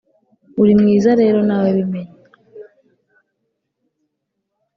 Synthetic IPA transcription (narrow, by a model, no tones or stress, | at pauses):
uɾimŋiːzaɾe̞ːɾo̞naːwaβimeɲa